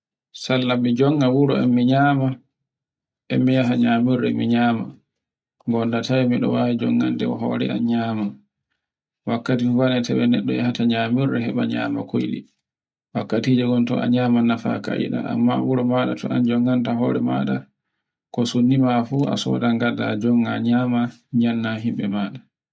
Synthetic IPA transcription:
salːamid͡ʒɔŋːawuɾɔɛmːiɲaːma | ɛmːijaɦaɲamuɾɛmiɲaːma | ŋɡɔndatawmiɗɔ̰wawid͡ʒɔŋːantɛɔɦɔ̰ɾɛ̰anɲaːma | wakːatinwanɛtʰɛwɛnɛɗːɔ̰jahataɲamuɾɛɦɛɓaɲa̰ːma̰kojɗḭ | wakːatiːd͡ʒɛɡɔntɔʔa̰ɲaːmanafa̰ka̰jḭɗa̰a̰mːawuɾɔmaɗatʰɔand͡ʒɔŋːantaɦɔɾɛma̰ːɗa | kɔsunːimafua̰sɔ̰daŋɡadːa̰d͡ʒɔŋːaɲaːma | ɲanːaɦimɓɛmaːɗa

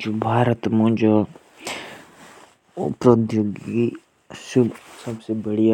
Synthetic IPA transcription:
d͡ʒobʱaːɾət̪mõnd͡ʒo | ʊ̰pɾod̪joɡi | susɐbsebəɽija

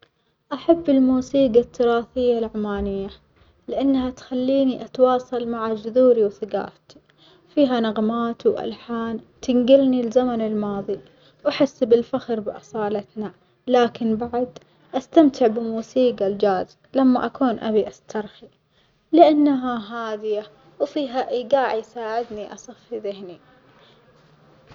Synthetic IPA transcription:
ʔaħabːɪlmuːsiːɡat̪ʰːʊɾɑːθɪjːalʕamaːnɪjːa | lɪʔanːhat̪xalːiːniʔat̪wɑːsˤɑlmaʕad͡ʒʊðuːɾiwθɪɡa̰ːɾt̪i̥ | fiːɦanaɣmaːt̪wʔa̰lħaːn | t̪ɪnɡɪlnilzamanɪlmɑːðˤi | wʔaħɪsːbɪlfaxɾbɪʔɑ̰sˤɑːlat̪na | laːkɪnbaʕad̪ | ʔast̪amt̪ʰɪʕbɪmuːsiːɡald͡ʒaːz | lamːaʔakuːnʔa̰biʔast̪ʰɑɾˤxi | lɪʔanːaɦaɦaːd̪ɪja | wfiːɦaʔjɡaːʕijsaːʕɪd̪niʔɑsˤɨfːiðɪhni

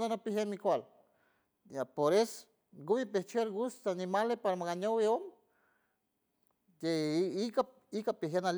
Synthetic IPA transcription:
d̪anapiɦenmikʷal | apoɾes | ɡuβipeht͡ʃeɾɡust̪aanimalepaɾamaɣaɲoweom | jeika | ikapiɦenal

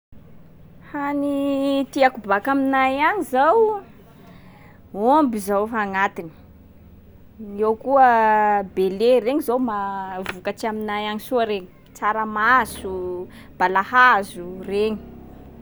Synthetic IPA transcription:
hanit̪iakubakaminajaɲizaw | ombizawfaŋat̪ini̥ | iewkuəbelereɲizowmavukat͡ʃiaminajaɲisuaɾeɲi̥ | t͡saɾəmasu | b̥alahazureɲi̥

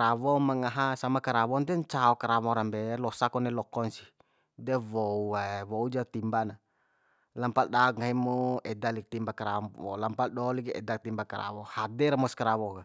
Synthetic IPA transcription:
ɾawɔmaŋaɦasamakaɾawɔnt̪ɛɲt͡ʃaɔkaɾawɔɾambɛlɔsakɔnɛlɔkɔnsi | dɛwɔuawɔud͡ʒat̪imbana | lampaldauk̚ŋaɦɛmɔɛdalik̚t̪imbakaɾaɔ̰lampaldɔlikɛ̰dak̚t̪imbakaɾa̰wɔhadɛɾamɔskaɾawɔka

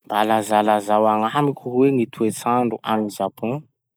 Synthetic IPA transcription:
mbalazalazawaŋamikʰuweŋit̪ʰuet͡saɳɖ͡ʐuʔaminzapʰɔ̃

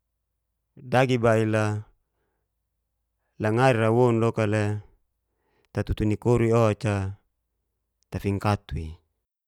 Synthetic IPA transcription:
daɡibaila | laŋaɾiɾawonlokale | t̪at̪ut̪unikoɾuioat͡ʃa | t̪afiŋkat̪ui

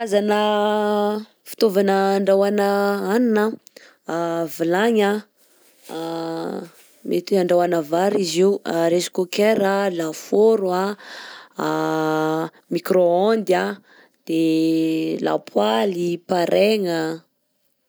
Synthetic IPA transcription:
azanə | fi̥t̪ovanəːɳɖ͡ʐawanəaninə | vilaɲa | met̪iaɳɖ͡ʐawanavaɾiziwaɾesi̥kokeɾalafoɾua | mikɾoand̪ja | d̪̥e | la̰pʰwalipaɾʔeŋə

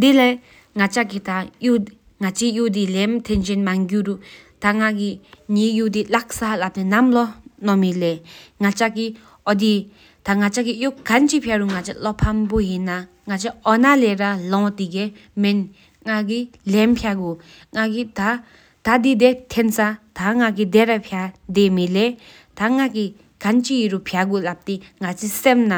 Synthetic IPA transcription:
d̪ila | ŋat͡ɕakit̪aju | ŋat͡ɕijuʔd̪ilemt̪ʰɛnɕenmaŋɡuɾu | t̪aŋaɡiɲijud̪ilak̚salap̚t̪enamlɔnɔmileŋat͡ɕaki | ʔɔd̪i | t̪aŋat͡ɕakijoʔkant͡ɕipʰaɾuŋat͡ɕalɔpʰambojinːa | ŋat͡ʃaɔnalɛɾalɔ̃t̪iɡe | men | ŋaɡilɛnpʰjaɡo | ŋaɡit̪a | t̪ad̪id̪et̪ʰensat̪aŋaɡid̪ɛɾapʰjad̪emile | t̪aŋaɡi | ɡ̥ant͡ʃiɾupʰjaɡulap̚t̪iŋat͡sʰisemna

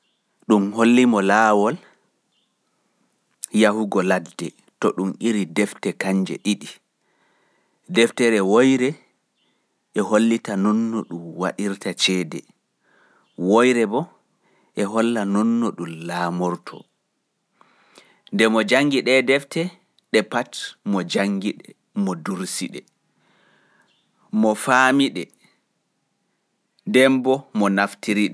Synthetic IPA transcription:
ɗumholːimɔlaːwɔl | jahuɡɔladːɛ | tɔɗumʔiɾidɛftɛkaɲd͡ʒɛ̰ɗiɗi | dɛftɛɾɛwojɾɛ | ʔɛɦolːitanɔnːɔɗumwa̰ɗiɾtat͡ʃɛːdɛ | wojɾɛbɔ | ʔɛɦɔlːanɔnːɔɗumlaːmɔɾtʰɔ̰ | ndɛmɔd͡ʒaŋɡiɗɛdɛftɛ | ɗɛpatmɔd͡ʒaŋɡiɗɛ | mɔduɾsiɗɛ | mɔfamiɗɛ | dɛmbɔmɔnaftiɾiɗɛ

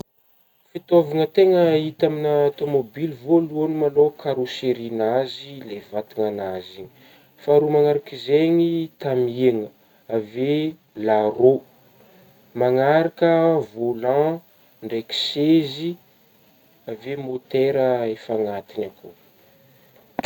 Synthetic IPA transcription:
fit̪oviŋət̪eŋəit̪aminəat̪omobilivoluonimalokʰaɾoseɾinazilevat̪iŋanaziɲi̥ | faɾumaŋaɾakizeɲit̪amŋə | ave | laɾo | maŋaɾakəvolã | ɳɖ͡ʐeki̥sezi | avemot̪eɾəefaŋat̪inako

